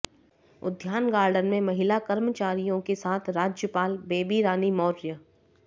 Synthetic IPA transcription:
ʊ̰d̪ʱjaːnɡaːɾɖənmẽmɐɦɪlakɐɾmət͡ʃaːɾijõkesaːt̪ʰɾaːd͡ʒjəpaːlbeːbiɾaːnimɔːɾjə

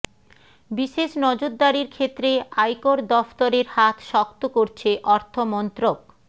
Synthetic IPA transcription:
biʃeʃnɔd͡ʑoɾd̪aɾiɾkʰet̪ːɾeajkoɾd̪ɔft̪oɾeɾhat̪ʰʃɔk̚t̪okoɾt͡ɕʰeʔɔɾt̪ʰomɔnt̪ɾok

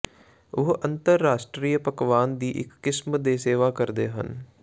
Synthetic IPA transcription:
ʊɦənt̪əɾːaːʃʈɾiːjəpəkʋaːnd̪iːʔɪ̰kːɪsmd̪eːseːʋaːkəɾd̪ḛːɦə̰n

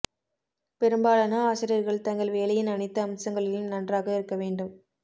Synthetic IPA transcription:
pɛɾɯmbaːlɐnɐaːsɪɾɪjɐɾɣɐɭt̪ɐŋɡɐɭʋeːlɐjɪnɐɳɪt̪ːɐːmsɐŋɡɐɭɪlmnɐndraːɣɐɪɾɯkːɐʋeːɳɖɯm

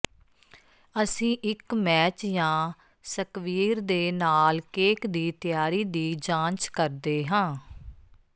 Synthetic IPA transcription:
əsĩːʔɪkmɛːt͡ʃjãː | səkʋiːɾd̪eːnaːlkeːkd̪iːt̪ɪjaːɾiːd̪iːd͡ʒãːnt͡ʃkəɾd̪eːɦãː

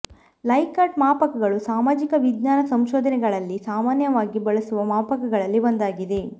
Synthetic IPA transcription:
lɐjkaːɾʈ̚maːpɐkɐɡɐɭusaːmaːd͡ʒikɐʋid̪naːnɐsɐmʃoːd̪ʱɐnɛɡɐɭɐlːisaːmaːnjɐʋaːɡibɐɭɐsuʋɐmaːpɐkɐɡɐɭɐlːiʋond̪aːɡid̪e̞

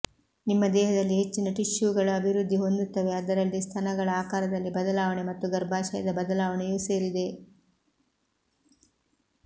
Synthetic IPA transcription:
nimːɐd̪ɛːɦɐd̪ɐlːiɦe̞t͡ʃːinɐʈiʃjuɡɐɭɐːbʱiɾud̪ʱːiɦo̞nd̪ut̪ːɐʋe̞ɐd̪ɐɾɐlːist̪ʰɐnɐɡɐɭɐaːkaːɾɐd̪ɐlːibɐd̪ɐlaːʋɐɳemɐt̪ːuɡɐɾbʱaːʃɐjɐd̪ɐbɐd̪ɐlaːʋɐɳɛjuːse̞ːɾid̪e̞

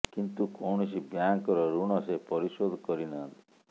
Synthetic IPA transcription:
kint̪ukɔwɳɔsibjaŋkɔɾɔɾuɳ̃ɔsepɔɾisod̪ʱkɔɾinɔnt̪i̥

